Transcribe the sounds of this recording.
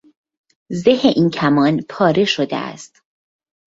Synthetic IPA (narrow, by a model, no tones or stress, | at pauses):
zeheʔincʰæmɒːnpʰɒːɾe̞ʃod̪ḛʔæ̰st̪